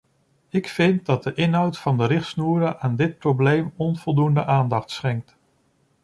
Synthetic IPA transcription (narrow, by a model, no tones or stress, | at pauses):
ɪkfɪnt̚dɑd̚dəʔɪnɦʌwtfɑndəɾɪχtsnuːɾəʔaːndɪt̚prowblejmɔnv̥ɔlˠdundə̰ʔaːndɑχtsχɛŋk̚t